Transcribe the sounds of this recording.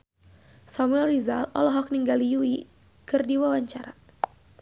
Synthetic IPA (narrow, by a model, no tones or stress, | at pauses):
samuɛlrizalɔlɔɦɔk̚niŋɡalijui | kɨrdiwawaɲt͡ʃaɾa